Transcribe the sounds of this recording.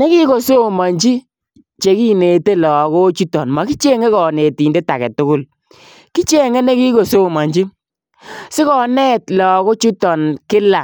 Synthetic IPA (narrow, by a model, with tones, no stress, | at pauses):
ne˦ki˦ko˨so˦˨ma˨ɲt͡ʃi˦ | t͡ʃe˨ki˦ne˨te˦lɔ˨kɔ˦t͡ʃu˦tɔ˨nma˨ki˦t͡ʃe˦ŋe˦kɔ˨ne˨ti˨nde˦ta˨kɛ˨tʊ˦kʊ˦˨l | ki˦t͡ʃe˦ŋe˦ne˦ki˦ko˨so˦˨ma˨ɲd͡ʒi˦ | sɪ˦kɔ˨nɛ˦tlɔ˨kɔ˦t͡ʃu˦tɔ˨nkɪ˦la˨